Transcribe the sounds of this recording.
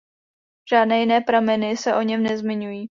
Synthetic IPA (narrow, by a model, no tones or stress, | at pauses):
ʒ̥aːdnɛːjɪnɛːpɾamɛnɪsɛʔo̞ɲɛmnɛzmɪɲujiː